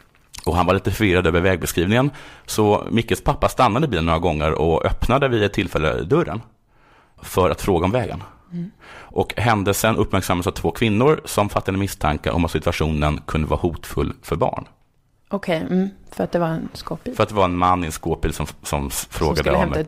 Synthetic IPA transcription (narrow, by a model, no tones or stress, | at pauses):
ʔɔhanvaɾɭiːt̪əfœvɪɾad̪øːvəɾvɛːɡ̚bɛskɾiːvnɪŋənsɔmɪkːəlspʰapːast̪anːad̪əɪbiːənoːɾaɡɔŋːəɾɔœpnad̪əvɪɛt̪ʰːɪlfɛlːə̰d̪ɵɾə̰n | fœɾa̰t̪fɾoːɡaɔmvɛːɡə̰n | ʔɔkɦɛnd̪əsɛnʔɵpːmæɾksamːalsavt̪ʰv̥oːkʰvɪnːʊɾsɔmfat̪ːɪɡanəmɪst̪ʰaŋka̰ʔɔ̰mat̪sɪt̪aɧuːnənkʰɵnd̪əvɑ̰ːhuːt̪fɵ̰lːfœɾbɑ̰ːɳ | ɔkʰɛfœɾat̪̚d̪ɛvaɛnskopfœɾat̪d̪ɛvaɾɛnmanːɪɛnskoːpɪːlsɔmsɔmfɾoːɡadəɔm